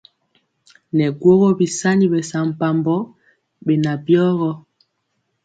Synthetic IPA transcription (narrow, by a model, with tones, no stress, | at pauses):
nɛ˨ɡwo˦ɣɔ˦bi˨sa˦ni˦bɛ˨sa˨m̩˨pa˨mbɔ˦ | bɛ˨na˨bjɔ˦ɣɔ˦